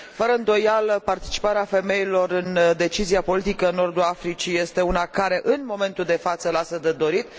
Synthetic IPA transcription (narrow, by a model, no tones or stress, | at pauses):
fəɾəɨnd̪o̞jaləpart̪i̥t͡ʃi̥paɾeafe̞me̞ilo̞rɨnd̪e̞t͡ʃiziapo̞lit̪ikəɨno̞rd̪uafɾit͡ʃije̞st̪e̞unakaɾe̞ʔɨnmo̞me̞nt̪uld̪e̞fat̪səlasəd̪ed̪o̞ɾit̪